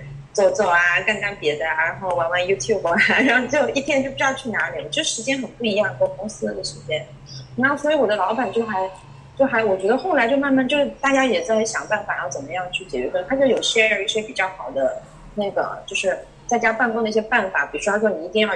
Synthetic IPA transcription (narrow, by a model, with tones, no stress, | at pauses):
t͡so˨˩ʊt͡swɔ˥˩a˨˩ka˥˧nka˥npjɛ˧˥d̪ə˧a˨˩ɻa˧˥xo˥˩ʊwa˧˥nwa˧˥nju˥t̪ʰju˥˩bɻa˧˥nxo˥˧˩t͡ɕjo˥˧ʊi˥˩t̪ʰjɛ˥nt͡ɕo˥˩ʊpu˧˩˥jɑ˥˧ʊt͡ɕʰy˥˩na˧˥li˨˩wɔ˨˩t͡ɕo˥ʂɻ̩˥˩ʂɻ̩˧˥t͡ɕjɛ˥nxə˨˩npu˥˩i˧˥jɑ˥˩ŋ˧ɔ˥˩kʊ˥ŋs̩˥˧˩ə˥˩ʂɻ̩˧˥t͡ɕjɛ˥n | na˥˩swɔ˧˥i˧˥wɔ˨˩d̪ə˦lɑ˧˥ʊpa˨˩nt͡ɕjo˥˩ʊxa˧˥ɪ | t͡ɕjo˥˩ʊxa˧˥ɪwɔ˨˩t͡ɕɥɛ˧˥d̪ə˧xo˥˩ʊla˧˥ɪt͡ɕjo˥˧ʊma˥˧nma˥˧nt͡ɕjo˥˧ʊʂɻ̩˥˩t̪a˥˩t͡ɕja˥jɛ˨˩t͡sa˥˩˥ɕjɑ̰˨˩ŋpa˥˩nfa˨˩˥jt͡sə˨˩mə˦jɑ˥˧ŋt͡ɕʰy˥˩t͡ɕjɛ˨˩t͡ɕɥɛ̰˧˥kə˥nt̪ʰa˥t͡ɕjo˨˩ʊi˧˥˩jɛ˥ə˧˥i˥˩ɕjɛ˥pi˨˩t͡ɕjɑ˥˩ʊxɑ˨˩ʊd̪ə˦ | na˥˩ɡə̰˩t͡ɕjo˥˧ʊʂɻ̩˥˧ | t͡sɪt͡ɕja˥pa˥˧nkʊ˥ŋd̪ə˨i˥˩ɕjɛ˥pa˥˩nfa̰˨˩˦pi˨˩ɻɔ˥a˥wə˥˩n˨˩i˥˧i˥˧jɑ˥˧˩